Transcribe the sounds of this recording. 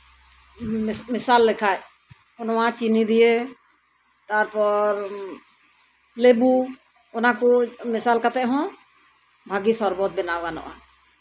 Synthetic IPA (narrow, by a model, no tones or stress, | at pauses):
mɪsalːɪkʰaj | ʊnmãt͡ʃinid̪ije | t̪aɾpɔɾ | lebu | ʊnãkumɪsaːlkət̪ɛɦɔ̃ | bʱaɡisɔɾbɔt̪̚bɪnaɡanɔ̰ʔa